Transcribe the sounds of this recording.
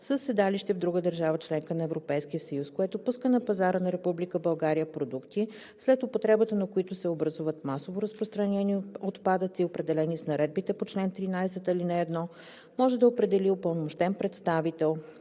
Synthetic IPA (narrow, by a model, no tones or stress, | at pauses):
səsːɛd̪aliʃt̪ɛvd̪ɾuɡəd̪əɾʒavət͡ʃlɛŋkənɐɛvɾopɛjskiəsɐjuskoɛt̪opuskənɐpɐzaɾənɐɾɛpublikəbɐlˠɡaɾijəpɾod̪ukt̪i | slɛt̪opot̪ɾɛbət̪ənɐkoit̪ʊsɛobɾɐzuvət̪masovoɾɐspɾost̪ɾɐnɛniot̪pad̪ət̪siopɾɛd̪ɛlɛnisnɐɾɛd̪̚bit̪ɛpot͡ʃlɛnt̪ɾinajsɛt̪ɐlinɐɛd̪nɔ | mɔʒɛd̪ɐopɾɛd̪ɛliopəlˠnomoʃt̪ɛnpɾɛt̪st̪avit̪ɛlˠ